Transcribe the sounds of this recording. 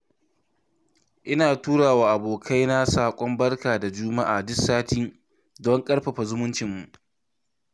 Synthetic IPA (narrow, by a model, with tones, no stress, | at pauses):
ʔɪ˦naː˨tuː˦ɽaː˨waː˨ʔa˨boː˨kʰa˦jna˦saː˨kʷʼɔ˦mbɐ˦rkaː˨da˨d͡ʒuː˦ma˦ʔa̰ː˨dʊ˦saː˦tiː˦ | dɔ˦ŋkʼɐ˦ɽɸɐ˨ɸa˨zʊ˦mʊ˦nt͡ʃɪ˨mːu˨ʔ